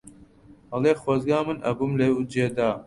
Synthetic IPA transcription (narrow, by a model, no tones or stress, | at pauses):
hɐleːxwɐzɡaːmɨnɐ̰bumleud͡ʒeːd̪aː